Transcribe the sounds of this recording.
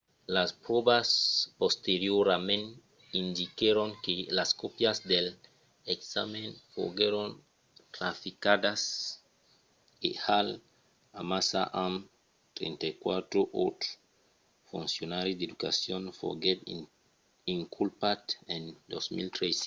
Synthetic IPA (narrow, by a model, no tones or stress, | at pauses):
laspɾobaspost̪eɾjoɾamẽn | ind̪ikeɾoŋkelaskopjazd̪el | eksa̰menfo̰ɡeɾon | t̪ɾafikad̪as | ḛhal | amasa̰ʔam | t̪ɾḛnt̪ajkwat̪ɾoʔot̪ɾ | funsjonaɾid̪ed̪uka̰sjonfo̰ɡeb | iŋkʰulpat̪end̪osmḭlt̪ɾes